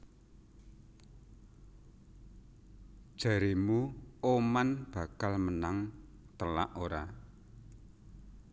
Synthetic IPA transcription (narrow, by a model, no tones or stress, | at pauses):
d̥ʒ̥ä̤ɾimuomanb̥a̤kalmənaŋ | t̪əla̰ʔoɾa